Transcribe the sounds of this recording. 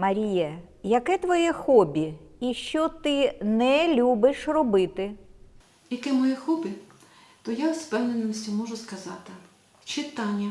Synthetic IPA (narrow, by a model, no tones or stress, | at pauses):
mɐɾʲijɛ | jɐkɛt̪ʋɔjɛxɔbʲiiʃt͡ʃɔt̪ɪnɛlʲubɪʃrɔbɪt̪ɪ | jɐkɛmɔjɛxɔbʲɪ | t̪ɔjawspɛwnenːɔsʲtʲimɔʒʊskɐzɑt̪ɪ | t͡ʃɪt̪ɑnʲːɐ